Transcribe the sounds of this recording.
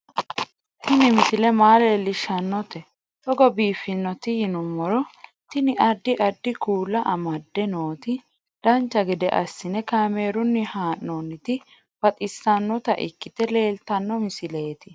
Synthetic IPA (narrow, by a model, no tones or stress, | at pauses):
t̪ɪnɪmɪsɪlɛmaːlelːɪʃːɐnːɔt̪ɛ | t̪ɔɡɔbiːfːɪnːɔt̪ɪjɪnʊmːɔɾɔt̪ɪnɪʔɐd̪ːɪʔɐd̪ːɪkuːlːɐʔɐmɐd̪ːɛno̞ːt̪ɪ | d̪̥ɐnt͡ʃːɐɡɛd̪ɛʔɐ̰sːɪnɛkaːme̞ːɾʊnːɪhaːnːonːɪt̪ɪ | fɐt̪ʼɪsːɐnːɔt̪ɐ̰ʔɪ̰kːɪt̪ɛle̞ːlt̪ɐnːɔmɪsɪleːt̪ɪ